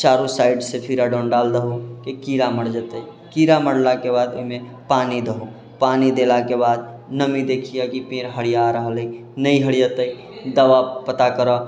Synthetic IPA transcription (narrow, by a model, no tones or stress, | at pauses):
t͡ʃaɾusaiɖsepʰiɾaɖɔnɖald̪əɦukekiɾaməɽd͡ʒət̪əi | kiɾaməɽlakebad̪o̰ɦime | panid̪əɦu | panid̪elakebad̪̚ | nəmid̪ekʰijakipeɾɦəɽijaɾəɦələi | nəjɦəɽijət̪əi | d̪əʋapət̪akəɾɔ